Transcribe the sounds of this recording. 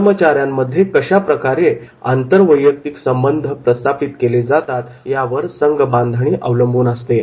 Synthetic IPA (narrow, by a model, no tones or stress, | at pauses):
mət͡ɕaɾjamːəd̪ʱjekəɕapɾəkaɾe | ant̪əɾʋəjːək̚t̪iksəmbənd̪ʱəpɾəst̪ʰapit̪keled͡zat̪at̪jaʋəɾsəŋɡbãnd̪ʱəɳ̃iːʔə̰ʋləmbʱuːnəst̪e